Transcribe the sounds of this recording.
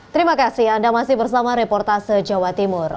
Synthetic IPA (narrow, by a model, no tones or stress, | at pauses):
t̪əɾimakasɪhandamasɪhbərsamaɾepɔrt̪asəd͡ʒawat̪imʊr